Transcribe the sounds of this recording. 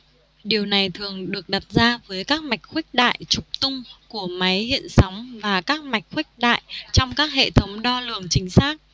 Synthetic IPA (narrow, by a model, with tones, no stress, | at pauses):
ɗi˨˩əwna˨˩jt̪ʰɨ˨˩əŋɗɨ˨˩ək̚ɗa˨˩t̚zaː˧vəː˨˦jkaː˦˥k̚ma˨˩jk̟̚xwi˦˥k̟̚ɗa̰ː˧˨jt͡ɕʊ˨˩k͡p̚t̪ʊ˧ŋ͡mku˧˩əma˨˦jhḭ˧˨ənsa˨˦wŋ͡mvaː˨˩kaː˦˥k̚ma˨˩jk̟̚xwi˦˥k̚ɗa̰ː˧˨jt͡ɕɔ˧wŋ͡mkaː˦˥k̚hḛ˧˨t̪ʰə˨˦wŋ͡mɗɔ˧lɨ˧˨˩əŋt͡ɕï˨˦ŋ̟saː˦˥k̚